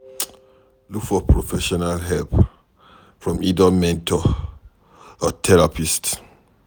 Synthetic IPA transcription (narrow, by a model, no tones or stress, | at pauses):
lukfɔpɹɔfɛʃɔnalɦɛlp | fɹɔ̃midɔmɛ̃ntʰɔ | ɔtʰɛɹapist